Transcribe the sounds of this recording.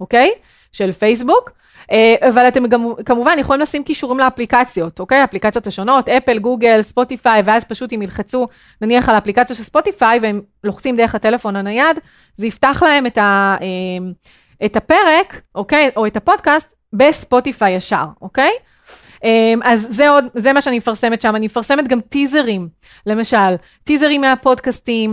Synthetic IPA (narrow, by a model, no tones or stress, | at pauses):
ʔoke̞j | ʃe̞lfejs̬buk | eʔavalate̞mɡamkamuvanjeχolimlasimkiʃuʁimleaplikat͡sjo̞tokejaːplikat͡sjo̞thaʃo̞no̞tepelɡuɡe̞lspo̞tifajveazpaʃutimilχat͡su | naniaχalaːplikat͡sjaʃe̞lspo̞tifajveem | loχt͡simd̪eʁeχhate̞le̞fo̞nanajad | zeiftaχlaɦe̞metaem | etape̞ʁe̞kʔo̞kejʔo̞etapo̞dkast | be̞spo̞tifajaʃa̰ʁo̞ke̞j | ʔemʔazːeo̞dzemaʃeanimefaʁse̞metʃamanimefaʁse̞metɡamtize̞ʁim | le̞maʃal | tizeʁimːeapo̞dkastim